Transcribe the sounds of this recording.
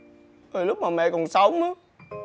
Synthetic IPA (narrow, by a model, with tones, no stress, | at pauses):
ʔəː˨˩lʊ˦˥k͡p̚maː˨˩mɛ̰˧˨kɔ˨˩nsa˨˦wmə˨˦